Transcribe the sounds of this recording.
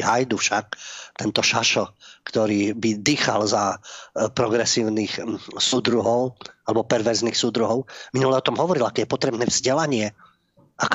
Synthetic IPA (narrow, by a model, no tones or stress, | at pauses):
ɦajd̪ufʃak̚t̪ɛnt̪ɔʃaʃɔkt̪ɔɾiːbid̪iːxa̰lzapɾɔɡɾɛsiːʊniːxsud̪ɾuɦɔʊalɛbɔpɛɾʋɛɾzniːxsud̪ɾuɦɔʊminulɛɔt̪ɔmɦɔʋɔɾilakɛjɛpɔt̪ɾɛbnɛːvz̥ɟɛlaɲɪɛ | ʔak